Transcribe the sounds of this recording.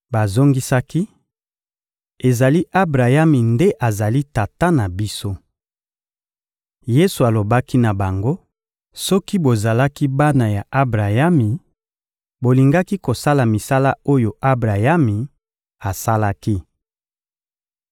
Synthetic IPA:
ba˨zo˦ŋɡi˦sa˦ki˦ | e˨za˨li˦ʔa˦bʁa˨ja˦mi˨nde˦ʔa˨za˨li˦ta˨ta˦na˨bi˦so˦ | je˦su˨a˨lo˨ba˦ki˦na˨ba˨ŋɡo˦ | sɔ˦ki˦bo˨za˨la˦ki˦ba˦na˨ja˨ʔa˦bʁa˨ja˦mi˨ | bo˨li˨ŋɡa˦ki˦ko˨sa˦la˨mi˨sa˦la˦o˦jo˨ʔa˦bʁa˨ja˦mi˨ | a˨sa˦la˦ki˦

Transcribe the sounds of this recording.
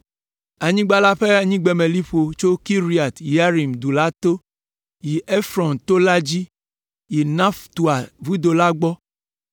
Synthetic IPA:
a˨ɲĩ˦ɡ͡ba˦la˦ɸe˦a˨ɲĩ˦ɡ͡bɛ˨mẽ˨li˦ɸo˨t͡ʃo˦ki˦ɾi˨a˨t̪ja˦ɾi˨md̪u˨la˦t̪o˦ | ji˨e˦fɾɔ˨nt̪o˦la˦d͡ʑi˦ | ji˨nã˦ft̪u˨a˨vu˦d̪o˨la˦ɡ͡bɔ˦

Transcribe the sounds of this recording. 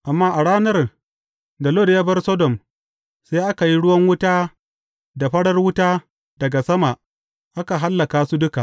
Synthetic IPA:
ʔa˨mːaː˦ʔa˨ɽaː˦nɐ˦r | da˨loː˦de˨jaː˦bɐ˦rsɔ˦dɔ˨m | seː˦jʔa˦ka˨ji˦ɽʊ˦wɐ˦ŋwʊ˦taː˦ | da˨ɸɐ˦ɽɐ˦rwʊ˦taː˦ | dɐ˨ɡa˨sɐ˦ma˨ʔ | ʔa˦ka˨ɦa˦lːɐ˨kaː˦su˦dʊ˦ka˨ʔ

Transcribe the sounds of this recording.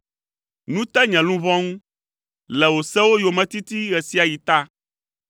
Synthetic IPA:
nũ˦t̪ɛ˦ɲɛ̃˨lũ˦vɔ̃˦ŋũ˦ | lɛ˨wo˨sɛ˦wo˦jo˨mɛ̃˨t̪i˦t̪i˦ɣɛ˨si˦a˨ji˨t̪a˦

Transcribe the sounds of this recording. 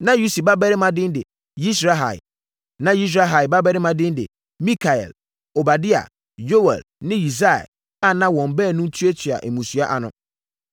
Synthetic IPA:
nã˦ju˦si˨ba˦bɛ˦ɾɪ˦mã˦dɪ̃˦n˦dɪ̰˨ | ji˦s̬ɾa˦ɦa̰˨l | nã˦ji˦s̬ɾa˦ɦa˨ba˦bɛ˦ɾɪ˦mã˨dɪ̃˦n˦dɪ̰˨ | mĩ˦kʰa˨ɛ̰˨l | o˨ba˨dɪ˦a̰˨ | jo˦wɛ̰˨lnɪ̃˦ji˨s̬a˦ɛ̰˨ | a˦nã˦wɔ̃˨m˨bɛː˦˨nũ˦n˦tʰu˦e˦tʰi˨a̰˨ʔe˨mũ˨su˨a˦ʔa̰˨nʊ̰̃˦

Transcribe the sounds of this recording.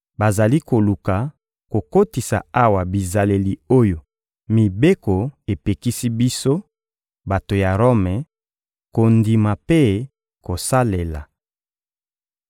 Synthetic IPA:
ba˨za˨li˦ko˨lu˨ka˨ | ko˨ko˦ti˨sa̰˨a˦wa˨bi˨za˨le˨li˨o˦jo˨ | mi˨be˦ko˨e˨pe˨ki˦si˦bi˦so˦ | ba˨to˨ja˨ʁo˦mɛ˨ | ko˨ndi˨ma˨pe˦ | ko˨sa˦le˨la̰˨

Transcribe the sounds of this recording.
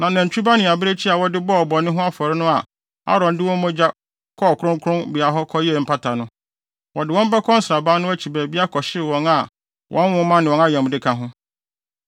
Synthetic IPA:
nã˨nã˨ɲ̩˨t͡ɕʰᶣu˦ba˦nɪ̃˨a˨bɪ˦ɾe˦t͡ɕʰi˦a˨wɔ˦dɪ˦bɔ˦ɔ˨bɔ˨nɪ̃˦ɦʊ̃˦a˦fɔ˨ɾɪ˦nʊ̃˦a˨ | a̰˦ɾɔ̃˨n˦dɪ˦wɔ̃˦m˦mɔ̃˦d͡ʑa˦ | kʰɔ˦˨kʰʊ˦ɾʊ̃˦ŋkʰʊ̃˦nbɪ˨a˨ɦɔ˦kʰɔ˦jɛ˦˨m̩˦pʰa˦tʰa˨nʊ̃˦ | wɔ˨dɪ˨wɔ̃˦m̩˦ba˦kʰɔ̃˦n̩˦sɾa˨baː˦nʊ̃˦æ˦t͡ɕʰi˨bæː˨bi˦a˦kʰɔ˨ɕɪ˦ɾɪ˨wɔ̃˨ŋa˨ | wʔɔ̃˦n˦wʊ̃˦mã˦nɪ̃˨wɔ̃˨na˦jɛ̃˨m˨dɪ˦kʰã˦ɦʊ̃˦

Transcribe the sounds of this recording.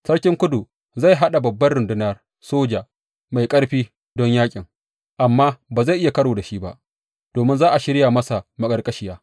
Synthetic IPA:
sɐ˦ɽkʲɪ˦ŋkʷʊ˦du˨ | za˦˨jɦa˦ɗa˨bɐ˨bːɐ˦rɽʊ˨ndɪ˦nɐ˦˨r | soː˦d͡ʒa˨ | ma˨jkʼɐ˦ɽɸiː˦ | dɔ˦ɲjaː˦kʲʼɪ˨ŋ | ʔa˨mːaː˦baː˨za˦˨jʔɪ˦ja˨kɐ˦ɽoː˨da˨ʃi˦ba̰˦ʔ | d̥oː˨mɪ˦nzaː˦ʔa˨ʃɪ˦ɽja˨mɐ˦sa˨mɐ˨kʼɐ˨rkʼɐ˦ʃɪ˦˨jaː˦

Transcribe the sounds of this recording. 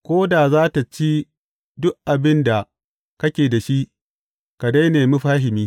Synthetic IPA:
kʷoː˦daː˨zaː˦ta˨t͡ʃi˦ | dʊ˦ʔkʔa˨bɪ˦nda˨ | kɐ˦kʲeː˨da˨ʃi˦ | ka˨da˦jneː˨mʊ˦ɸaː˦ɦɪ˨miː˦

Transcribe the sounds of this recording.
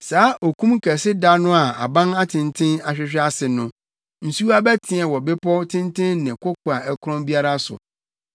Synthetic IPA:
saː˨˦ʔo˨kʰũ˦m˦kʰɛ˨sɪ˦da˦nʊ̃˦a˨a˨bã˦na˦tʰɪ̃˨ntʰɪ̃˦na˨ɕᶣɪ˦ɕᶣɪ˦a˦sɪ˨nʊ̃˦ | n̩˨su˦a˦bɛ˦tʰɪ̃˨ɛ˨wɔ˨bɪ˦pʰɔ˦tʰɪ̃˦ntʰɪ̃˦nnɪ̃˨kʊ˦kʰʊ˨a˨ɛ˦kʊ˦ɾɔ̃˦mbi˦a˦ɾa˦sʊ̰˨

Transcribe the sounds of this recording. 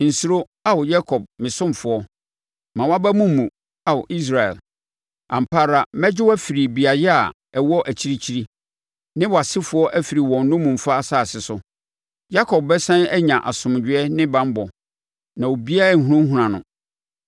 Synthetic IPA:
n̩˨su˦ɾo˦ | a˦wɔ˨ja˦kʰɔ˨b̚mɪ̃˨sʊ̃˦m˨fʊ˨ɔ˦ | mã˨wa˦bæ˦mũ˦mː˦ũ˨ | a˨wʊ˨ʔi˦s̬ɾa˨ɛ̰˨l | ã˨m̩˨pʰaː˦ɾa˨mɛ˦d͡ʑɪ˦wæ˦fi˨ɾi˨bi˨a˨jɪ˦a˨ | ɛ˨wɔ˦ʔæ˨t͡ɕʰi˦ɾi˦t͡ɕʰi˦ɾi˦ | nɪ̃˦wɔ˨a˨sɪ˦fʊ˨˦ɔ˦ʔæ˦fi˨ɾi˨wɔ̃˨n˦nʊ̃˦mũ˨m̩˨fa˦˨sa˦˨sɪ˨sʊ˦ | ja˦kʰɔ˨b̚bɛ˦sã˦nɛ˦ɲã˨ʔa̰˨sʊ̃˨m˨d͡ʑᶣɪ˦ɛ˦nɪ̃˦bã˦m˦bɔ˨ | nã˨wo˨bi˦a˦˨ŋ̩˨ɦũ˦ũ˦ŋ˦ɦũ˨ɾã˨nʊ̰̃˦

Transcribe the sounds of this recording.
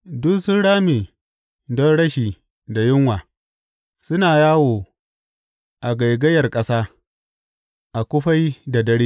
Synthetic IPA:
dʊ˦nsʊ˦ɽaː˦meː˨ | dɔ˦nɽɐ˦ʃiː˨ | da˨jɪ˦ŋwaː˨ | sʊ˦naː˨jaː˦woː˨ | ʔa˨ɡa˨jɡɐ˦jɐ˨rkʼɐ˦saː˦ | ʔa˨kʷʊ˦ɸa˦jda˨dɐ˦ɽiː˦

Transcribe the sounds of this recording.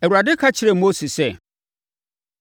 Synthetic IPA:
ɛ˨wu˨ɾa˨dɪ˦kʰa˦t͡ɕʰɪ˦ɾɛ˨mo˦si˨sɛ˦

